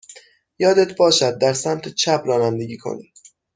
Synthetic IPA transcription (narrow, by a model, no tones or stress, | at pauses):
jɒːd̪et̪̚ʰbɒːʃæd̪̚ːæɾsæmt̪ʰet͡ʃʰæpʰɾɒːnænd̪e̞ɡiːkʰo̞̰ni